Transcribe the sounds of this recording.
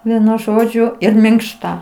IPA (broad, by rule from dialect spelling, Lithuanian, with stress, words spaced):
ˈʋʲiɛnʊ ˈʒoːd͡ʒʲʊ ɪr mʲɪŋkˈʃtɐ